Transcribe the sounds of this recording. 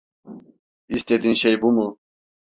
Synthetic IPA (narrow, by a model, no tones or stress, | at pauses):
ist̪ed̪inɕejbumu